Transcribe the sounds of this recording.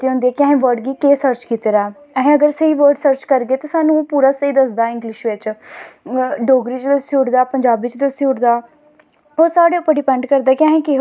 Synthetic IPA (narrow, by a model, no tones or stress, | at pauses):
iːõʊnd̪iɛːkɪəɦẽːʋəɾɖɡiːkeːsəɾt͡ʃkiːt̪eːɾaː | əɦẽːəɡəɾsəiːʋəɾɖsəɾt͡ʃkəɾɡeːt̪oːsaːnũːpuːɾaːsəiːd̪əsd̪aːɪ̃ŋɡlɪʃʋɪt͡ʃ | ɖoːɡɾiːt͡ʃd̪əsiʊːɽd̪aːpəɲd͡ʒaːbiːt͡ʃd̪əsiʊɽd̪aː | oːsaːɽeːʊpːəɾɖɪpɛ̃ɳɖkəɾd̪aːkɪəɦẽːkɪ